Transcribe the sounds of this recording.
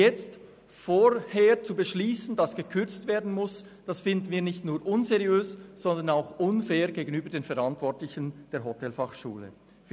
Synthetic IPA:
jɛt͡st | foːɾheːʁt͡subəʃliːsn̩dɑsɡ̥əkʰʏʁt͡stv̥eːɐdn̩mʊs | d̥ɑsfɪndn̩viːɐnɪçtnuːɾʔʊnzeʁijøːsz̥ɔnd̪ənaʊxʔʊnfɛːʁɡeːɡənyːbədeːnfɛʁɾɑntvɔɐtlɪçənd̥eːɐɦɔtʰɛlfɑχʃṵːlə̰

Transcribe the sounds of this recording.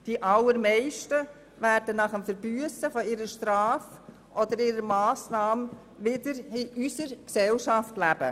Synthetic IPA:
d̥iʔɑlːəɾmɛɪʃtə | væɾdənɑχəmfəɾbyəsəfɔɪɾəʃtɾɑːf | ʔɔd̪əɾɪɾəmɑːsnɑːm | ʋɪdəɾɪysəɾksɛlʃɑftlæb̥ə̰

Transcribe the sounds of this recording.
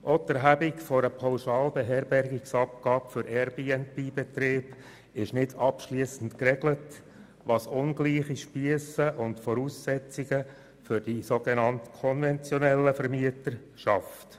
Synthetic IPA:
ʔɔt̪əɾɦæbikfɔɾəpʰɑwʃɑːlbɛɦɛrbɛɾɡiksɑp̚ɡ̥ɑːbfʏɾʔɛɾbiːɛnpiːbɛt̪ɾeːb̥ | ɪʃnɪdɑpʃliəsən̩tkrɛɡlət | ʋɑːsʊnɡliːχiʃpiəsəʔʊntfɔɾuːsːɛt͡siɡə | fʏɾdisoɡenɑntkʰɔnvɛnt͡sjɔnɛlːəfəɾmiətəɾ | ʃɑft

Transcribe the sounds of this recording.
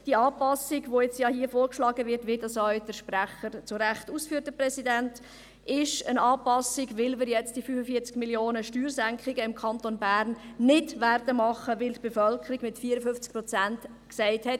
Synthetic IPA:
d̥iəɑːpɑsɪɡvojɛt͡sjɑhiəfoːɾkʃlɑːɡəvɪɾtʋɪdɑsɔɥd̥əʃpræχəɾt͡sʊɾæχtuːsfyːt̚d̥əprɛsidænt | ɪʃənɑːpɑsɪɡʋɪlməɾjɛt͡std̥iəfyfəfiəɾt͡skmiljoːnəʃtyːɾsæŋkχɪɡəɪmkʰɑntonbæːɾnːɪdværd̥əmɑχəʋɪltb̥efœlkʰəɾiɡmɪtfiəɾəfʏft͡sk̚pɾɔt͡sænt | ksɛɪthɛt

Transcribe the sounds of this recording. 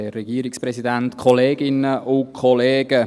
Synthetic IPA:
ɛrɛɡ̥iːɾɪksprɛsidɛnt̪kʰɔleːɡɪnəʔʊkʰχɔleːɡ̥ə

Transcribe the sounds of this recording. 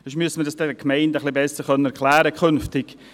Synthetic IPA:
əʃmyəsəmədɑsd̥ɛkmɛɪndəχlibɛsəɾχœnənɛɾkʰlæːɾəkʰχʏnftɪɡ̥

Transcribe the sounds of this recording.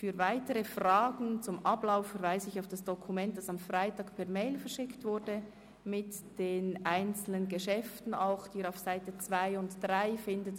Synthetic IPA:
fyːʁvaɪtəʁəfraːɡn̩t͡sʊmʔablaʊfːɛʁvaɪsɪçaʊfd̥asd̥ɔkʰumɛnt̚d̥asamfraɪtaːkpʰɛɐmeɪlfɛɐʃɪktv̥ʊɾdə | mɪtd̥eːnʔaɪnt͡sl̩nənɡəʃɛftn̩aʊxd̥iːɾaʊfsaɪtət͡sv̥aɪʊntd̥ʁaɪfɪndət

